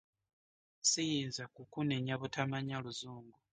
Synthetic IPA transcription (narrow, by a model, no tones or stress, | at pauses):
sijiːnzakukuneɲaβutamaɲaluzuːŋɡu